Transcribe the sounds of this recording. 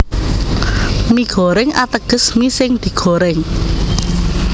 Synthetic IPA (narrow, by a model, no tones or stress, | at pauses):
miɡ̥ɔ̤ɾɪŋat̪əɡ̥ə̤smisɪŋd̪̥i̤ɡ̥ɔ̤ɾɪŋ